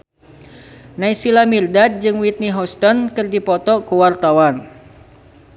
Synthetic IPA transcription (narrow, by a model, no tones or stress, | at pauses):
naisilamirdat̪̚d͡ʒɨŋwit̪̚niɦɔst̪ɔnkɨrdipɔt̪ɔʔkuwart̪awan